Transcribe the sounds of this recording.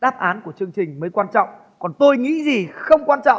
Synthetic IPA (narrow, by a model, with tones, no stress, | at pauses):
ɗaː˦˥p̚ʔaː˨˦nku˧˩ət͡ɕɨ˧əŋt͡ɕï˨˩ŋ̟məː˨˦jkwaː˧nt͡ɕɔ̰˧˨wŋ͡m | kɔ˨˩nt̪o˧jŋḭ˧˥zi˨˩xə˧wŋ͡mkwaː˧nt͡ɕɔ̰˧˨